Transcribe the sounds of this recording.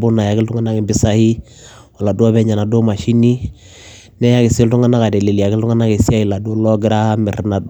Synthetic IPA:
bu˦na˨ja˨kɪ˦ltu˦ŋa˦na˦kɪ˨bɪ˦sa˦hi˦ | a˨la˨du˦a˦bɛ˦ɲa˨na˨do˦ma˨ʃi˦ni˦ | nɛ˦ja˦kɪ˨sɪ˦ltu˦ŋa˦na˦ka˨dɛ˨li˨li˨ja˨kɪ˦ltu˦a˦na˦ki˨si˦a˦i˨la˨do˦lɔ˦ɡɪ˦ɾa˦mɪ˨ɾna˨d

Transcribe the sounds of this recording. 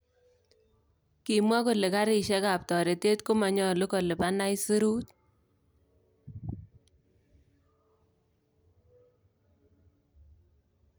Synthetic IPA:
ki˨mwa˦ko˨le˨ka˦ɾɪ˨ʃɛ˦ka˨p̚tɔ˨ɾe˨te˦tko˦ma˨ɲɔ˦˨lʊ˦ko˨lɪ˨pa˦na˦i˦si˦ɾu˦t̚

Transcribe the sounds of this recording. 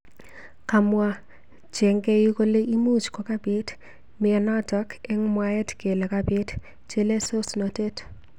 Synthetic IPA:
ka˨mwa˦ | t͡ʃɛ˨ŋɡe˦ji˦ko˦le˦ʔi˦mu˦t͡ʃkɔ˨ka˦bɪ˦t | mɪ˨ɛ˨na˦tɔ˦kɛ˦ŋmwaɛ˦tke˨le˨kabɪ˦t | t͡ʃe˦le˦so˦snɔ˨te˦t

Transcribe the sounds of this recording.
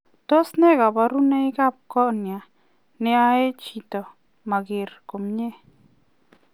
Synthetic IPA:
t̪o˦sne˦ɡa˨ba˧ɾu˦ne˦ɡa˦˨p̚ko˦ʔnja˨ | ne˧a˧˦e˦t͡ʃi˧t̪o˨ | ma˨ɡi˨ɾko˨mɲe˦

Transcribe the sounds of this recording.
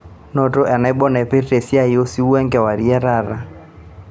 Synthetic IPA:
nɔ˨tɔ˦ʔɛ˨na˨˦i˦ɓɔ˦na˨ɛ˨pe˦tɛ˨si˦a˦i˨˦o˦si˦u˦ɛ˦ŋɡɛ˨wa˨ɾi˦ɛ˦ɾa˦˨ɾa˨

